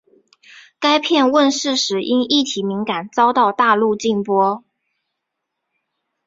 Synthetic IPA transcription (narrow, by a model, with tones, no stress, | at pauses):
ka˥ɪpʰjɛ˥˧nwə˥˧nʂɻ̩˥˩ʂɻ̩˨˩ʔi˥ni˥˩t̪ʰi˨˩˥mi˧˥ŋka˨˩nt͡sɑ˥ʊt̪ɑ˥˧ʊt̪a˥˧lu˥˧t͡ɕi˥˩ŋpwɔ˥